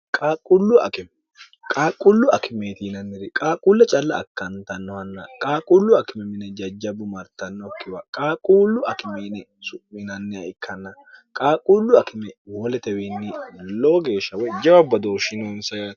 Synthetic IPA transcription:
kʼaːkʼːʊlːʊɐ̰kɪmɛ | kʼaːkʼːʊlːʊɐkɪmeːt̪iːnɐnːɪɾɪkʼaːkʼulːɛt͡ʃʼɐlːɐ̰ːkːɐnt̪ɐnːɔhɐnːɐ̰kʼaːkʼʊlːʊɐkɪmɛmɪnɛd͡ʒɐd͡ʒɐbʊmɐɾt̪ɐnːɔkːɪwɐkʼaːkʼuːlːʊɐkɪmeːnɛsʊʔːɪnɐnːɛɐɪkːɐnːɐ | kʼaːkʼulːʊɐkɪmɛwɔlɛt̪ɛwenːɪlɔːɡe̞ːʃːɐwɔjd͡ʒɐwɐbɐd̪oːʃɪnoːnsɐjɐ

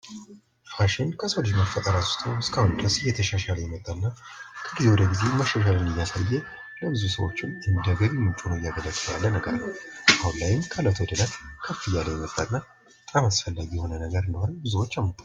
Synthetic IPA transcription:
haʃɪnkʰəsəwlt͡ʃməfət̪ʼəɾat̪st̪ʰəwɨskʰahʊnd̪əsɨjɛt̪ʰəʃaʃaləjɛmət̪ʼːaɨnːakʰəɡize̞wɔd̪əɡizeməʃaʃ̬alɨnɨjːasajːɛ | ləbɨzusəwo̞̰t͡ʃːɪnɨnd̪əɡəɾimɨnt͡ʃʼunəwɪjaɡələkʼːɨla̰lːənəɡə̰ɾnəwʔahunlajɪmkʰələt̪ʰwɔd̪əlat̪kʰəfːɨjaləjɛmət̪ʼːanːa | ət̪ʼamasfəlːaɡijɛho̞nənəɡəɾɨnd̪əhoɾəbɨzuwot͡ʃːamu

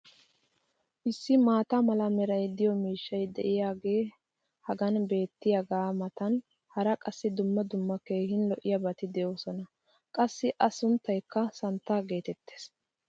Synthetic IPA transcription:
ʔɪsːɪmaːt̪amɐlɐmɛɾɐjd̪ɪjɔmiːʃːɐjd̪ɛ̰ʔɪjaːɡe̞ː | hɐɡɐnbe̞ːt̪ːɪjɐɡaːmɐt̪ɐn | hɐɾɐkʼɐsːɪd̪ʊmːɐd̪ʊmːɐke̞ːhɪnlɔʔɪjɐbɐt̪ɪd̪ɛjoːsɔnɐ | kʼɐsːɪʔɐsʊnt̪ːɐjkːɐsɐnt̪ːaːɡe̞ːt̪ɛt̪ːeːs

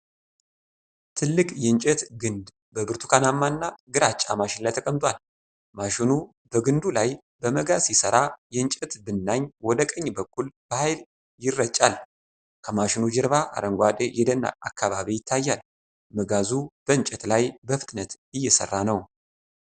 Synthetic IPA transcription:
t̪ʰɨlːɨkʼjɛɨnt͡ʃʼɛt̪ɡɨnd̪ | bəbɨɾt̪ʰu̥kʰanamːanːaɡɨɾat͡ʃʼːa̰maʃɪnlajt̪ʰəkʼəmt̪ʼwal | maʃɪnu | bəɡɨnd̪ulaj | bəməɡazjɪsəɾajɛnt͡ʃʼɛt̪bɨnːaɲwɔd̪əkʼəɲːbəkʰʼːulb̥əhajl | jɪrːət͡ʃʼːal | kʰəmaʃɪnud͡ʒɛɾβaʔa̰ɾəŋɡʷad̪ejɛd̪ənːa̰ʔa̰kʰːaβaβijɪt̪ʰːajːal | məɡazub̥əɨɲt͡ʃʼɛt̪lajbəfɨt̪ʼnət̪ | ɨjːɛsə̰rːanəw

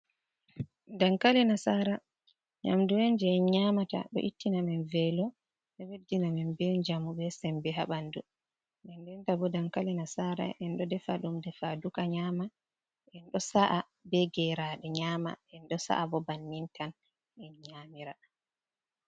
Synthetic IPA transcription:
daŋkalɛnasaɾa | ɲa̰mduɛnd͡ʒɛɛɲamata̰ɗɔ̰ʔitːinamɛnvɛlɔ | ɛwedinamɛnbɛɲd͡ʒamubɛsɛmbɛɦaɓandu | ɗɛndɛntabɔdaŋkalɛnasaɾa̰ʔɛnɗɔdɛfaɗumdɛfadukaɲama | ʔɛnɗɔsaʔa | bɛɡɛɾaɗɛɲaːma̰ɛnɗɔsa̰ʔabɔbanːintan | ɛnɲamiɾa

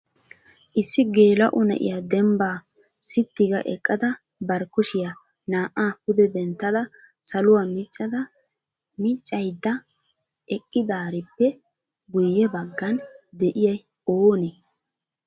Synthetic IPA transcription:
ʔɪsːɪɡe̞ːlɐʔʊnɐ̰ʔɪ̰jad̪ɛmbaːsɪt̪ːɪɡɐʔɛkʼːɐd̪ɐ | bɐɾkʊʃɪja | naːʔːaːpʊd̪ɛd̪ɛnt̪ːɐd̪ɐ | sɐlʊwaːmɪt͡ʃʼːɐd̪ɐ | mɪt͡ʃʼːɐjd̪ːɐ | ʔɛkʼːɪd̪aːɾɪpːɛ | ɡʊjːɛbɐɡːɐnd̪ɛʔɪjɐjoːneː

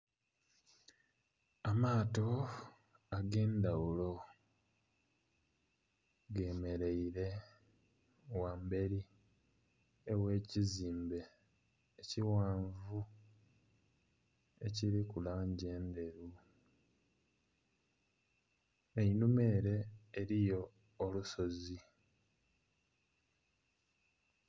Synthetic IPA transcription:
amaːto̞ | aɡe̞ːnd̪awulo̞ | ɡe̞ːme̞ɾe̞iɾe̞ | wambe̞ɾi | ewe̞ːciziːmbe̞ː | ciwaːɱvu | e̞ciɾikulaːɲɟe̞ːnd̪e̞ɾu | einume̞ːɾe̞ːɾijo̞ː | luso̞zi

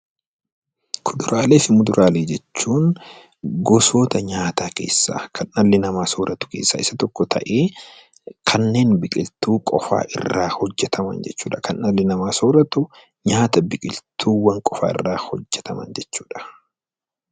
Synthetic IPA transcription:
kʰʊd̪ʊɾʔaːle̞ːfɪmʊd̪ʊɾʔaːleːd͡ʒɛt͡ʃːuːn | ɡɔso̞ːt̪ɐɲaːt̪aːke̞̰ːsːa̰ːkʰɐnʔɐlːɪnɐmaːsoːɾʔɐt̪ʊ̥ke̞̰ːsːa̰ːɪsɐt̪ɔkːɔt̪ʰɐ̰ʔeː | kʰɐnːe̞ːnbɪkʼɪlt̪uːkʼɔ̰fa̰ːʔɪ̰rːa̰ːhɔd͡ʒːɛt̪ʰɐmɐ̰nd͡ʒɛt͡ʃːuːᶑɐkɐnːɐlːɪnɐmaːsoːɾɐt̪ʊ | ɲaːt̪ɐbɪkʼɪlt̪ʰuːwɐŋkʼɔfa̰ːɪ̰rːaːhɔd͡ʒːɛt̪ʰɐmɐ̰nd͡ʒɛt͡ʃːuːᶑɐ̥

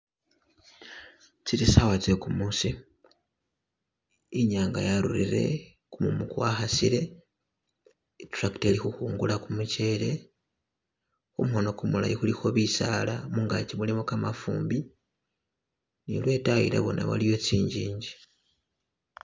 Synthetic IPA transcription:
t͡siɾisawat͡sekumuːsi | ɲaːŋɡa̰jaɾṵɾḭɾe̞̰ | kumumukwaxasḭɾe̞ | tɾaktelixuhuːŋɡulakumuce̞le̞ | omuhono̞kumula̰jixulixo̞βisalamuŋɡacimulimokamafṵːmbi | nḭlwe̞ːtajḭɾḛβo̞na̰βa̰lijo̞t͡siːɲɟiːɲɟi

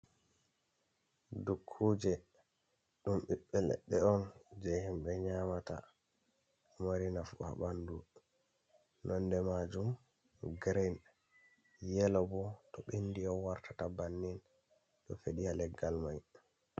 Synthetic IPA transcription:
dukʰːud͡ʒɛ | ɗumɓiɓːɛlɛ̰ɗːɛɔnd͡ʒɛhimɓɛɲamata̰ | umaɾinafa̰bandu | nʔɔndɛmad͡ʒum | ɡɾɛn | jɛlɔbɔtɔɓindiɔwaɾtʰatabanːin | ɗɔfeɗijalɛɡːalmaj

